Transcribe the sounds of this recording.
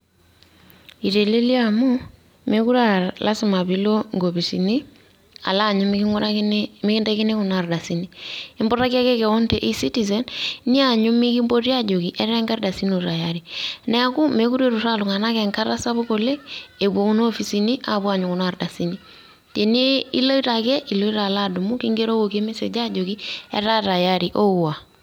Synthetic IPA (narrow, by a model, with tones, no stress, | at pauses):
i˨ɾe˨le˦li˦a˦mo˦ | me˦ku˦ɾa˨lʔa˦si˦ma˨βi˦lo˦ŋɡo˨βi˨si˨ni˦ | a̰˨la˦˨ɲu˦m | mi˦ki˦ndɛ˦ki˦ne˦ku˨na˨ɾda˨si˦nii˦mbɔ˦ɾa˦ki˦a˦ke˦kɛ˨ɔ˦nte˨ʔi˦si˦ti˨ze˨nni˦a˨ɲu˦mi˦ki˦mbo˦rja˦d͡ʒo˨ki˨ʔɛ˦ɾɾɛ˦ŋɡa˦ɾda˨si˦nu˨ɾa˨jaɾinɛ˦a˨ku˦me˦ku˦ɾe˦ɾu˨ɾa˦lu˨ŋa˨na˦kɛ˨ŋka˦ɾa˦sa˦βo˦ko˨le˦e˨bo˨˦ku˦no˦fi˨si˦ni˦ʔa˨bu˦a˨ɲu˨ku˨na˨rda˨si˦ni | t͡ʃe˨ne˦ḭ˦lo˦i˦ɾa˨kɛ˦ʔi˨lo˦i˦ɾa˨la˦du˨mu˦ki˦ŋɡe˦ɾo˦ko˨ke˦me˦se˨d͡ʒa˦d͡ʒo˨ki˦ɛ̰˦ɾa˦ta˨ja˦ɾi˨ʔo˦˨wa˨